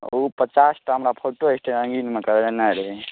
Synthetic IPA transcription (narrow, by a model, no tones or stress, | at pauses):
opət͡ʃasʈaɦəmɾapʰoʈoesʈʰeɾə̃ŋɡinmekəɾlenajɾəɦɛ